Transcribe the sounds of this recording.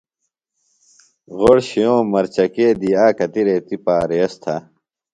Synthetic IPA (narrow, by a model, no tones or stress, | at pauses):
ɣoɽɕijõːmɐɾt͡ɕɐkeːd̪iaːkɐt̪iɾeːt̪ipaːɾeɐst̪ʰɐ̰